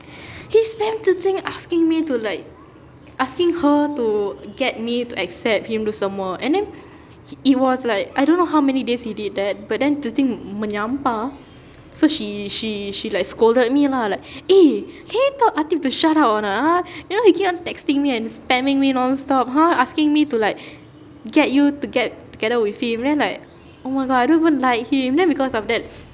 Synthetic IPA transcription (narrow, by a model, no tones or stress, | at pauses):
hispɛ̃ntutĩŋaskɪ̃ŋmitulaɪk̚ | ʔaskɪ̃ŋhətuɡɛt̚mituʔɛksɛp̚hĩmdusãmwɔʔɛ̰̃ndɛ̃n | it̚wɔslaɪk̚ajdõnːoɦawmɛnideshidid̚dɛt̚bat̚dɛ̃ntutĩŋmənãmpa | soʃiʃiʃilaɪk̚skoldəd̚milalaɪk̚eleitɔʔatĩftuʃatawtɔnɔtajunohikẽmɔ̃ntɛkstɪ̃ŋmiɛ̃nspɛ̃mɪ̃ŋmiɛ̃nɔ̃nstɔpɦaaskɪ̃ŋmitulaɪk̚ | ɡɛt̚jutuɡɛt̚tuɡɛdəwiθhĩmdɛ̃nlaɪk | omaɪɡɔdaɪjdõnivə̃nlaɪk̚hĩmdɛ̃nbikɔsɔfdɛt̚